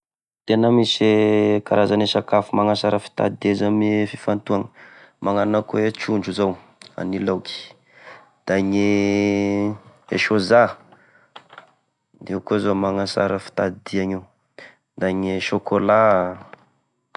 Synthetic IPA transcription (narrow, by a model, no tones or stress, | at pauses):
t̪enəmisekaɾazanesakafumaŋasaɾəfi̥t̪a̰d̪ezamfifant̪uaŋə̥ | maŋananəkoet͡ʃuɳɖ͡ʐuzaw | a̰nilawki̥ | d̪̥aɲe | ḛʃoza | d̪eukozamaŋasa̰ɾəfi̥t̪ad̪iaŋiw | d̪aɲeʃokola